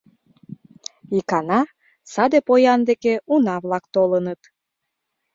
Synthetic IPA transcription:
ikɑnɑ | sɑd̪epojɑnd̪ekeunɑβlɑkt̪olənət̪

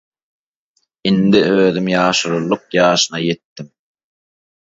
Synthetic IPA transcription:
ind̪iøːðymjɑːʃuɾulˠːuq̚jɑːʃɯnɑjet̪ːim

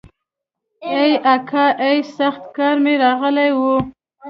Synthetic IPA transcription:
ejakʰaʔejsaxt̪kɑɾmeɾɑɣəlajwu

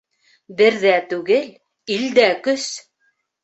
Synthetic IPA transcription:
bɘ̆ɾðæt̪ʉɡɘl | ild̪ækɵs

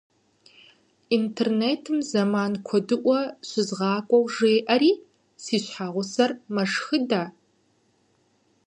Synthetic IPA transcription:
intʰerneːtʰɨmzɐmaːnkʷʰɔdɨʔʷɔɕɪzʁɑːkʷʼɔwʒeːʔɐɾiː | siːɕħaːʁʷʊsɐrmɐʂxɨdaː

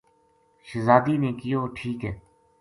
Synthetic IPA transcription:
ʃəzaːd̪iːnẽːkɪjoːʈʰiːkɦɛː

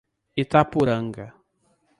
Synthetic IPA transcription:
ɪt̪apʊɾaŋɡa

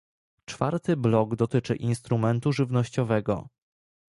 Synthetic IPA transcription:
t͡ʂfa̰ɾt̪ɘblɔɡd̪ɔt̪ɘt͡ʂɘ̰ʔinst̪ɾumɛnt̪uʐɘvnɔɕt͡ɕɔvɛɡɔ̰

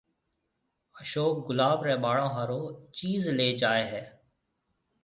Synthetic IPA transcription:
əʃoːk̚ɡʊlaːbɾɛ̃ːɓaːɽãːɦaːɾoːt͡ʃiːzleːd͡ʒaːeːɦɛː

